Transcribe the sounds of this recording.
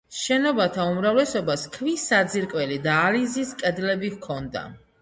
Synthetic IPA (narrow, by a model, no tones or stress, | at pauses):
ʃɛnɔbat̪ʰaumɾavlɛsɔbaskʰvisad̪ziɾkʼwɛlid̪aːliziskʼɛd̪lɛbihkʰɔnd̪a̰